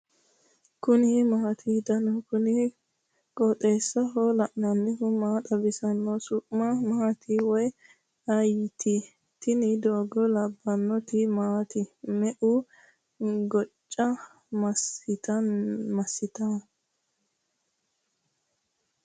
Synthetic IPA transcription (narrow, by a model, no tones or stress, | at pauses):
kʊnɪmat̪ʰid̪ɐnɔkʊnɪ | kʼɔt̪ʼeːsːɐɦɔlɐʔnɐnːɛhʊmaːt̪ʼɐbɪsɐnːɔsʊʔmɐmaːt̪iwɔj | ɐjɪt̪i | t̪ɪnɪd̪oːɡɔlɐbːɐnːɔt̪ɪmaːt̪ɪmɛʔʊ | ɡɔt͡ʃʼːɐ | mɐsɪt̪ɐmɐsːɪt̪a